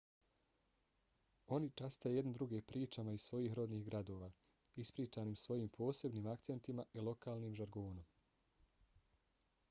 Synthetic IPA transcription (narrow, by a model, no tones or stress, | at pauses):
o̞nit͡ʃast̪ajejed̪ned̪ɾuɡepɾiːt͡ʃamaizsʋo̞jiːxɾo̞d̪niːhɡɾad̪o̞ːʋaː | ispɾiːt͡ʃaːniːmsʋo̞jiːmpʰo̞ːse̞bniːmakt̪se̞nt̪imaʔilˠo̞kaːlniːmʒaɾɡoːnom